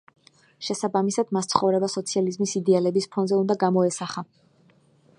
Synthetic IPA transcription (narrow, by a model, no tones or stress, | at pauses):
ʃɛsabamisad̪mast̪sʰχɔvɾɛbasɔt̪sʰializmisid̪ɛalɛbispʰɔnzɛund̪aɡamɔɛsaχa